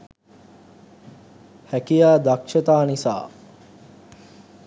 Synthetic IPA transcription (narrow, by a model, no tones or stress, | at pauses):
hækijaːd̪akʃɐt̪aːnisa̰ː